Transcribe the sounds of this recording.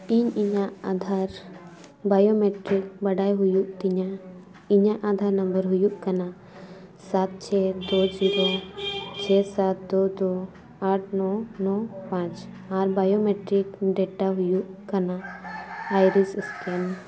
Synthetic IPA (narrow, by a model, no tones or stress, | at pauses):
iɲiɲaʔad̪ʱaɾ | bajomɛʈɾik̚bɐɖajɦujuʔt̪iɲa | iɲaʔad̪ʱaɾnɐmbəɾɦujuʔkana | sat̪̚t͡ʃʰɛd̪oziɾot͡ʃʰɛsat̪̚d̪od̪o | aʈʰnɔnɔpãt͡ʃ | aɾbajomeʈɾikɖɛʈaɦujuʔkana | ajɾisiskɛn